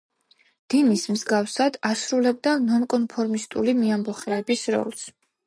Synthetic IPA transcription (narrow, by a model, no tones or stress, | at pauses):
d̪̥inismzɡafsad̪asɾulɛbd̪anɔnkʼɔnpʰɔɾmist̪ʼulimiambɔχɛːbisɾɔ̰lˠs